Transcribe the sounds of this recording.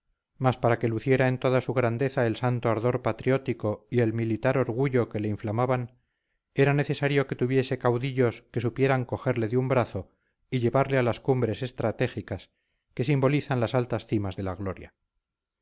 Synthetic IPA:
maspaɾake̞luθje̞ɾae̞nt̪o̞ðasuɣɾand̪e̞θae̞lsant̪oaɾðo̞ɾpat̪ɾjo̞t̪iko̞ie̞lmilit̪aɾo̞ɾɣuʎo̞ke̞le̞iɱflamaβan | e̞ɾane̞θe̞saɾjo̞ke̞t̪uβje̞se̞kawðiʎo̞ske̞supje̞ɾaŋko̞xe̞ɾle̞ðeumbɾaθo̞ | iʎe̞βaɾle̞alaskumbɾe̞se̞st̪ɾat̪e̞xikas | ke̞simbo̞liθanlasalt̪asθimazðe̞laɣlo̞ɾja̰

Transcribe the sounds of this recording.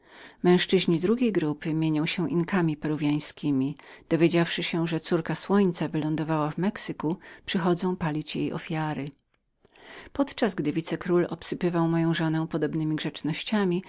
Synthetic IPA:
mɛ̃w̃ʂt͡ʂɘʑɲid̪ɾuɡʲejɡɾupɘmʲjeɲɔ̃w̃ɕɛ̃ʔinkamʲipɛɾuvʲjaj̃skʲimʲid̪̥ɔvʲjed͡ʑafʂɘɕɛʐɛt̪suɾkaswɔɲt̪savɘlɔnd̪ɔvawavmɛksɘkupʂɘxɔd̪zɔ̃w̃palʲit͡ɕjejʔɔ̰fʲjaɾɘ | pɔt̪t͡ʂazɡd̪ɘvʲit̪sɛkɾulɔpsɘpɘvawmɔjɔ̃w̃ʐɔnɛw̃pɔd̪ɔbnɘmʲiɡʐɛt͡ʂnɔɕt͡ɕamʲi

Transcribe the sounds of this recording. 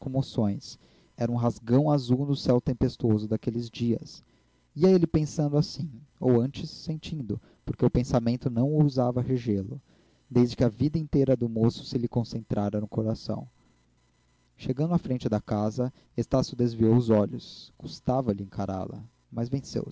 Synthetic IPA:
kõmosõj̃s | ɛɾɐũɦazɡɐ̃w̃azuwnʊsɛwt̪ẽmpest̪ozʊd̪akelɪzd͡ʒiɐ̰s | iɐelɪpẽsɐ̃nd̪ʊasĩowɐ̃nt͡ʃɪsːẽnt͡ʃĩnd̪ʊ | poɾkeʊpẽsamẽnt̪ʊnɐ̃w̃uzavɐɦeʒelʊ | d̪ejzd͡ʒɪkɪɐvid̪ɐĩnt̪ejɾɐd̪ʊmosʊ̥sɪlɪkõsẽnt̪ɾaɾɐnʊkoɾasɐ̰̃w̃ | ʃeɡɐ̃nd̪ʊafɾẽnt͡ʃɪd̪ɐkazɐ | est̪asjʊd̪ezviowʊzɔʎʊsɡ̥ust̪avɐlɪẽŋkaɾa̰lɐ̰ | mɐzvẽsḛw

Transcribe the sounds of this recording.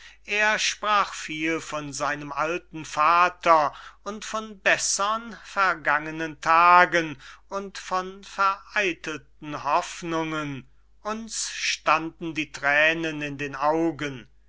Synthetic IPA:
ʔeːɐʃpʁ̥aːχfiːlfɔnzaɪnəmʔaltn̩faːtʰɐʊntfɔnbɛsəənfɛɐɡaŋənəntʰaːɡənʊntfɔnfɛɐʔaɪtəltn̩hɔfnʊŋən | ʔʊnsʃtandn̩diːtʁ̥ɛːnənɪndeːnaʊɡən

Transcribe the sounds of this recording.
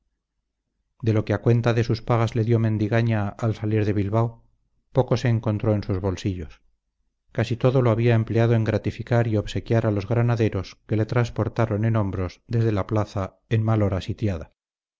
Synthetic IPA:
d̪e̞lo̞ke̞akwe̞nt̪aðe̞suspaɣazle̞ðjo̞mẽ̞nd̪iɣaɲaːlsaliɾðe̞βilβawo | po̞ko̞se̞ːŋko̞nt̪ɾo̞e̞nsuzβo̞lsiʎo̞s | kasit̪o̞ðoloaβiaemple̞aðoe̞ŋɡɾat̪ifikaɾio̞βse̞kjaɾalo̞zɣɾanaðe̞ɾo̞ske̞le̞t̪ɾanspo̞ɾt̪aɾo̞ne̞no̞mbɾo̞zðe̞zðe̞laplaθa | enmalo̞ɾasit̪jaða

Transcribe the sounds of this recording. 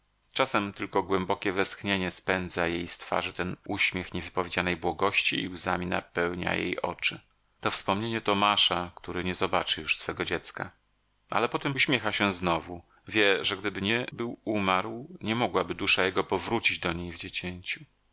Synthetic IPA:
t͡ʂasɛmt̪ɘlkɔɡwɛmbɔkʲɛvɛst̪xɲeɲɛspɛnd̪zajejst̪fa̰ʐɘt̪ɛnuɕmʲjɛxɲɛvɘpɔvʲjed͡ʑanɛjbwɔɡɔɕt͡ɕiːuza̰mʲina̰pɛwɲa̰jḛjʔɔ̰t͡ʂɘ | t̪ɔfspɔmɲeɲɛt̪ɔmaʂakt̪uɾɘɲɛzɔbat͡ʂɘjuʂsfɛɡɔd͡ʑɛt̪ska̰ | ʔa̰lɛpɔt̪ɛmuɕmʲjexaɕɛznɔvu | vʲjɛʐɛɡd̪ɘbɘɲɛbɘwumaɾwɲɛmɔɡwabɘd̪uʂajɛɡɔpɔvɾut͡ɕid͡ʑd̪ɔɲejvd͡ʑet͡ɕeɲt͡ɕu

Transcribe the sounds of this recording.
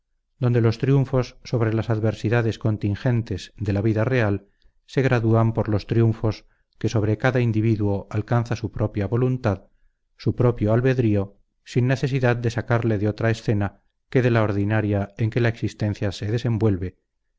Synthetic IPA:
d̪o̞nd̪e̞lo̞st̪ɾjuɱfo̞sːo̞βɾe̞lasaðβe̞ɾsiðaðe̞sko̞nt̪iŋxe̞nt̪e̞zd̪e̞laβiðare̞al | se̞ɣɾaðuampoɾlo̞st̪ɾijuɱfo̞s | ke̞so̞βɾe̞kaðaind̪iβiðwo̞ʔalkanθasupɾo̞pjaβo̞lunt̪að | supɾo̞pjoalβe̞ðɾio̞ | sinːe̞θe̞siðað̚d̪e̞sakaɾle̞ðeo̞t̪ɾaesθe̞na | ke̞ðe̞lao̞ɾðinaɾjae̞ŋke̞laeksist̪ẽ̞n̟θjase̞ðe̞se̞mbwe̞lβe̞

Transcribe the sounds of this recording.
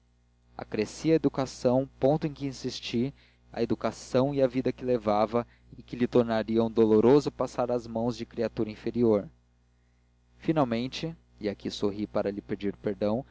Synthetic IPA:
a̰kɾesiɐed̪ukasɐ̃w̃põnt̪ʊẽkɪĩsist͡ʃi | ɐ̰ed̪ukasɐ̃w̃iavid̪ɐkɪlevavɐ | ɪkɪlɪt̪oɾnaɾiɐ̃w̃d̪oloɾozʊpasaɾɐzmɐ̃w̃zd͡ʒɪkɾiat̪uɾɐĩfeɾioɾ | finawmẽnt͡ʃɪ | iakʰisoɦipaɾɐlɪped͡ʒiɾpeɾd̪ɐ̃w̃

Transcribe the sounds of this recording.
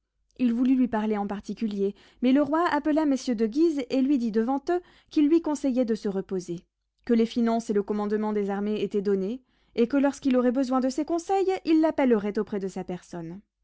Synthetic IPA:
ilvulylɥipaʁleɑ̃paʁt̪ikʲylje | mɛləʁwaapəlaməsjød̪əɡʲizelɥid̪id̪əvɑ̃t̪ø | kʲilːɥikɔ̃sɛjɛd̪əsəʁəpoze | kəlefinɑ̃seləkɔmɑ̃d̪mɑ̃d̪ezaʁmeet̪ɛd̪ɔne | ekəlɔʁskilɔʁɛbəzwɛ̃d̪əsɛkɔ̃sɛjilːapɛləʁɛt̪opχɛd̪əsapɛʁsɔn

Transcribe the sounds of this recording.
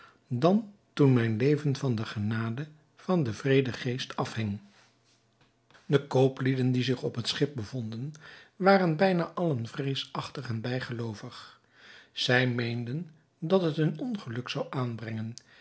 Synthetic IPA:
dɑntunmɛjnlejvənv̥ɑndəχənaːdə | v̥ɑndəvrejdəχejstɑfhɪŋ | dəkowplidəndizɪχɔpɦətsχɪp̚bəvɔndənʋaːrənbɛjnaːʔɑlənvrejsɑχtəχɛnbɛjχəlowvəχ | z̥ɛjmejndən | dɑtɦətənɔnχəlɵksawʔaːnbrɛŋən

